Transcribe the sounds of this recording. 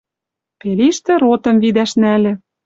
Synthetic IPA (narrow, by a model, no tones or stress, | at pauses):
peliʃt̪ĕɾot̪ɤ̆mvid̪æʃnælʲɘ̆